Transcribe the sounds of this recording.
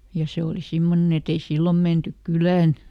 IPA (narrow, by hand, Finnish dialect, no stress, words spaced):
jɑ se oli simːonen et ei silːom mentyk kylæːn